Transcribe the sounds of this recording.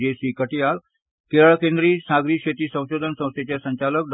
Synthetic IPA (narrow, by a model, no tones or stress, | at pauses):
esiːkəʈijal | keɾəɭkẽnd̪ɾiːsaɡɾiːɕet̪iːsə̃w̃ɕod̪ʱənsə̃w̃st̪ʰet͡ɕjasəɲt͡ɕalək̚d̪